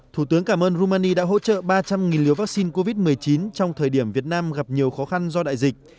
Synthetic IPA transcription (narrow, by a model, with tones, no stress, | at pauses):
t̪ʰu˧˩t̪ɨ˨˦ŋkaː˧˩mʔəː˧nzu˧maː˧ni˧ɗa̰ː˧˥ɦo̰˧˥t͡ɕə̰ː˧˨ɓaː˧t͡ɕa˧mŋi˨˩nlḭ˧˩əwvaː˦˥k̚si˧nko˧vi˦˥t̚mɨ˨˩əjt͡ɕi˨˦nt͡ɕɔ˧wŋ͡mt̪ʰəː˨˩jɗi˧˩əmvi˨˩ət̚naː˧mɣa˨˩p̚ɲi˨˩əwxɔ˨˦xa˧nzɔ˧ɗa̰ː˧˨jzï˨˩k̚